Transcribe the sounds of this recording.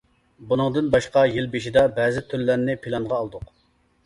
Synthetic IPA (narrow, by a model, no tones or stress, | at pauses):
bunɨŋd̪ɨnbɑʃqɑjilbeʃid̪ɛbɛːzɪt̪ʰyɾlːæɾnɪpʰilˠɑnʁɑːlˠd̪ʊq